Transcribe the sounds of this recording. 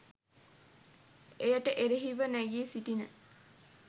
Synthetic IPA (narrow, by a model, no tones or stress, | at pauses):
ejəʈəʔeɾeɦiʋənæjeːsiʈinə